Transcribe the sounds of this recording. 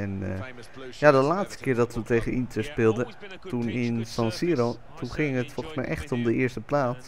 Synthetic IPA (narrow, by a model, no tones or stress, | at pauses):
ɛn | jadəlaːtstə̥kɪːɹdɑtʋətejχənintʰəɹspɪlˠdə | tunɪnsɑ̃nsiəɾo | tʰunχɪŋɦətfɔlˠχəsmɛjʔɛχtɔmdəɪəɹstəplaːts